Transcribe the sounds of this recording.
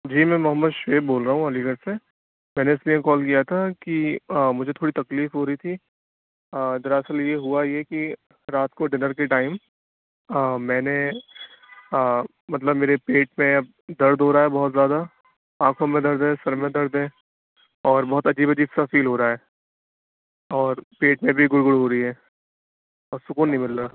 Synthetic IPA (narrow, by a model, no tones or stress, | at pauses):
d͡ʒiːmɛ̃ːmʊɦəmːəd̪ʃeːbboːlɾɐɦũɐliːɡəʈse | mɛ̃ːneɪsliẽkɔːlkijat̪ʰakimʊd͡ʒʱet̪ʰoːɽit̪ɐkliːfɦoːɾɐit̪ʰi | d̪ɐɾaːsəljeɦuajeki | ɾaːt̪koɖɪnəɾkeʈaːɪm | mɛ̃ːne | mɐt̪ləbmeːɾepeːʈ̚mẽɐb̚ | d̪ɐɾd̪ɦoːɾaɦɛbɔɦʊt̪zjaːd̪a | ãːkʰõmẽd̪ɐɾd̪ɦɛ̃sɐɾmẽd̪ɐɾd̪ɦɛ̃ː | ɔːɾbɔɦːʊt̪ɐd͡ʒiːbɐd͡ʒiːbsafiːlɦoːɾaɦɛː | ɔːɾpeːʈmẽbʱiɡʊɽɡʊɽɦoːɾɐiɦɛː | ɔːɾsʊkuːnːɐɦĩmɪlɾaː